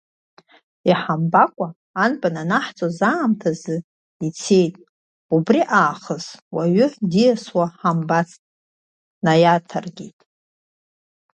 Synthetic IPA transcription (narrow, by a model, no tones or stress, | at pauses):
iħambakʷʼaː | nbʼananaħt͡sʼozaːmtʰazɨ | it͡sʰe̞jtʼ | ubriʔaːχəzwaɥʏħdijaswaħambat͡sʰʼ | najatʰarɡʲejtʼ